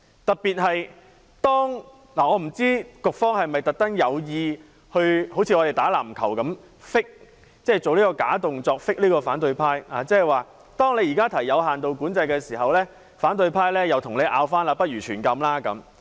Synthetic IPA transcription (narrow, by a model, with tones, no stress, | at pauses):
t̪ɐ˨t̚piː˨t̚hɐ˨j | t̪ɔː˥ŋ | laː˨˩ɔː˨˧m̩˨˩t͡siː˥kʊ˨k̚fɔː˥ŋhɐ˨jmɐ˨˩jt̪ɐ˨˩k̚t̪ɐ˥ŋjɐ˨˧wjiː˧ | hɵ˧ho˨˥wt͡sʰi˧ɔ˨˧te˨jt̪aː˨˥laː˨˩mkʰɐ˨˩wkɐ˨˥m | fɪ˥k̚ | t͡sɛː˥˩t͡so˨wliː˥kɔː˧kaː˨˥t̪ʊ˨ŋt͡sɔː˧k̚fɪ˥k̚liː˥kɔː˧faː˨˥nt̪ɵ˧ɥpʰaː˥jaː˨t͡sɛː˥ɛ˨˩waː˨˩ | t̪ɔː˥ŋle˨˧jiː˨kaː˥t̪ʰɐ˨˩jjɐ˨˧whaː˨nt̪o˨˧wkuː˨˥nt͡sɐ˧jkɛː˧siː˨˩ɦɐ˨wlɛː˥ | faː˨˥nt̪ɵ˧ɥpʰaː˥jlɛː˥jɐ˨wt̪ʰʊ˨˩ŋle˨˧jʔa̰ː˧wfaː˥naː˧pɐ˥t̚jyː˨˩t͡ʃʰyː˨˩nkɐ˧mlaː˥kɐ˨˧˥m